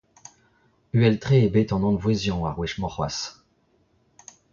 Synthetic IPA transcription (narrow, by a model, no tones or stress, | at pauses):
yɛlt̪χeebɛt̪ɑ̃nɑ̃d̪vwezjɔ̃aʁwiʃmɔ̃χwa̰s